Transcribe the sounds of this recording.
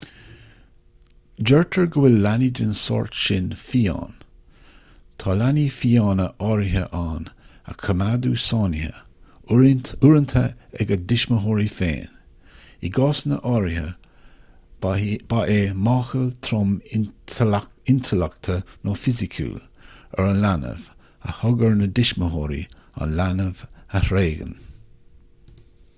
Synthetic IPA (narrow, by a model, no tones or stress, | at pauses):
d͡ʒɛɹtʰəɹɡəwɪlːanidənsɔ̰ɹtʃɪnfiːa̰ːn | t̪ʰɑːlaniːfiːɑːnəʔɑɾɪɦəʔaːnə̰kʰəmad̪uːsɑːnɪhə̰ | uɾənt̪ʰəɛ̰ɡəd̪ɪʃməɦoɹifḛːn | iɡɔːsnə̰ʔɑɹɪhə | b̥aʔeːmɑːxəlt̪ʰɾʊm | ɪnt̪ʰəlɛkt̪ʰənɔːfɪzɪkʰṵːl | ə̰ɹanlanə̰v | ə̰hʊɡəɹnəd̪ɪʃməɦoːɾḭa̰nlanəvəhɾeːɡə̰n